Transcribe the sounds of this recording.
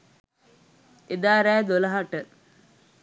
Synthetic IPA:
ed̪aːɾæːd̪olɐɦaʈə

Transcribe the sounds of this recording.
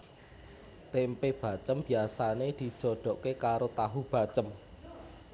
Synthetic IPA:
t̪empeb̥a̤t͡ʃəmb̥i̤asaned̪̥i̤d̥ʒ̥ɔ̤ɖ̪̥ɔ̤ʔkekaɾot̪aɦub̥a̤t͡ʃəm

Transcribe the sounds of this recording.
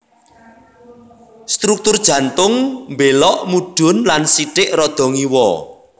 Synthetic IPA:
st̪ɾuk̚t̪ʊrd̥ʒ̥ä̤nt̪ʊŋmbelɔʔmuɖ̥ʊ̤nlansiʈɪʔrɔd̪̥ɔ̤ŋiwɔ

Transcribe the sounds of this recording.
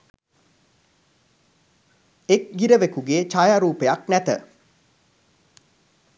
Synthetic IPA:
ek̚ɡiɾəʋekuɡeːt͡ʃajaɾuːpejaknæt̪ə̰

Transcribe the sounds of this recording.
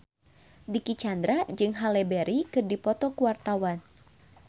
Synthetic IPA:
dikit͡ʃand̪ɾad͡ʒɨŋɦalɛbɛɾikɨrdipɔt̪ɔkuwart̪awan

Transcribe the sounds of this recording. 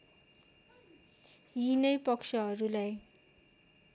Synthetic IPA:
jinʌjpʌksʰʌɦʌɾulaj

